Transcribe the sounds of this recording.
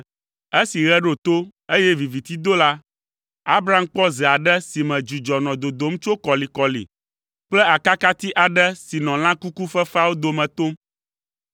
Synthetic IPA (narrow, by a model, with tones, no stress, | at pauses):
e˦si˨ɣɛ˦ɖo˨t̪o˦e˦jɛ˦vi˨vi˨t̪i˦d̪o˦la˦ | a˦bɾa˦m̩˦k͡pɔ˦zɛ˨a˨ɖɛ˦si˨mɛ̃˨d͡ʒu˨d͡ʒɔ˨nɔ̃˨d̪o˨d̪o˨˦m˦t͡ʃo˦kɔ˨li˨kɔ˨lḭ˨ | k͡plɛ˦a˨ka˦ka˦t̪i˦ʔa˨ɖɛ˦si˨nɔ̃˨l̃ã˦ku˦ku˦fɛ˦fa˦wo˦d̪o˨mɛ̃˨t̪o˦m